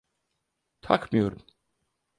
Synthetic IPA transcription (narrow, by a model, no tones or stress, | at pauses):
t̪ʰa̰kmɯjo̞ɾum